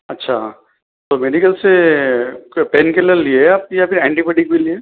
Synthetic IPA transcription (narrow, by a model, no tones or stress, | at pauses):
ɐtːʃʰaː | t̪oːmeɖikəlse | peːnkeləɾlieaːp̚japɪɾɛ̃ːɳʈibɛːʈɪkkelie